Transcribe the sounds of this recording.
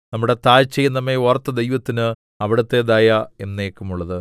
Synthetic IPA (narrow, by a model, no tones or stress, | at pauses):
nɐmːuɽe̞t̪aːjt͡ɕːejːɐnːɐmːeorɐt̪ːɐd̪ejʋɐt̪ːinɨ | ɐʋiɽɐt̪ːe̞d̪aːjae̞nːeːkːumuɭːɐðɨ